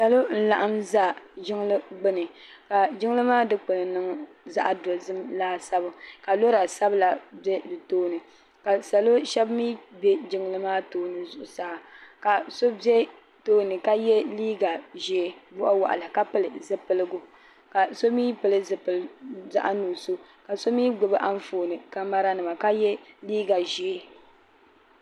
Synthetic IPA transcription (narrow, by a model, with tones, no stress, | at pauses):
sa˨lo˦n̩˦la˨ʔa˦mza˦˨ʒɪ˦ŋ˦lɨ˦ɡ͡bɨ˦nɨ˨ | ka˨d͡ʒɪ˦ŋ˦lɨ˦maː˦dɨ˦k͡pɨ˨nɨ˨nɨ˦ŋ˦ | za˦ʔa˨do˨zɨ˦mlaː˦sa˦bʊ˨ka˨lo˦ɾa˨sa˦bɨ˦la˨bɛ˦dɨ˨toː˦nɨ˨ | ka˨sa˨lo˦ʃɛ˦bmiː˦bɛ˦d͡ʒɪ˦ŋ˦lɨ˦maː˦toː˦nɨ˨zʊ˨ʔʊ˨sa˦ʔa˨ka˨so˦bɛ˦ | toː˦nɨ˨ka˦jɛ˦liː˦ɡa˨ʒɛ˨bʊ˦ʔa˦wa̰˨ʔa̰˨lɨ˨ka˦pɨ˦lɨ˨zɨ˦pɨ˨lɨ˦ɡʊ˦ | ka˨so˦miː˦pɨ˨lɨ˦zɨ˨pɨ˨lza̰˦ʔa˦nuː˨so˦ | ka˨so˦miː˦ɡ͡bʊ˨bɨ˦ʔa˦n˦foː˨nɨ˨ka˦ma˦ɾa˦nɨ˨ma˨ka˦jɛ˦liː˦ɡa˨ʒɛ˨˦